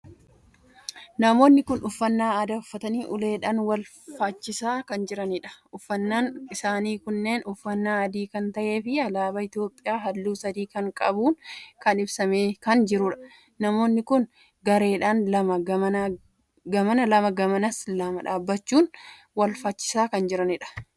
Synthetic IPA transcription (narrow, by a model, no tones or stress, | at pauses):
nɐmo̞ːnːɪkʊnʊfːɐnːaːɐd̪ɐʊfːɐt̪ɐniːʔʊle̞ːᶑaːnwɐl | fat͡ʃːɪsaːkɐnd͡ʒɪɾɐniᶑɐ̥ʔʊfːɐnːaːnɪsaːniːkʊnːe̞ːnʊfːɐnːaːɐd̪iːkɐnt̪ɐʔe̞ːfɪɐlaːbɐɪt̪jo̞ːpʼːɪjaːɦɐlːuːsɐd̪iːkɐŋkʼɐbuːnkɐnɪbsɐmeːkɐnd͡ʒɪɾʊᶑɐ̥ | nɐmo̞ːnːɪkʊn | ɡɐɾe̞ːᶑaːnlɐmɐɡɐmɐna | ɡɐmɐnɐlɐmɐɡɐmɐnɐslɐmɐᶑaːbːɐt͡ʃːuːn | wɐlfat͡ʃːɪ̥saːkɐnd͡ʒɪɾɐnɪᶑɐ̥